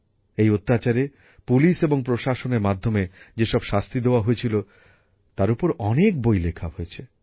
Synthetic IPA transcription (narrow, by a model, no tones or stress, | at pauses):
ejot̪ːat͡ɕaɾe | puliʃeboŋpɾoʃaʃoneɾmad̪ʱːomed͡ʑeʃɔbʃast̪id̪eoaɦojet͡ɕʰilo | t̪aɾupoɾɔnek̚bojlekʰaɦojet͡ɕʰe